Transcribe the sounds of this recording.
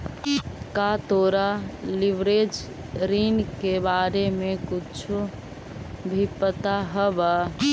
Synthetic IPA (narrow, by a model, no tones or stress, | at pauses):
kat̪oːɾaliʋɾed͡ʒ | ɾinkebaːɾemekut͡ʃʰu | bʱipət̪aɦəbə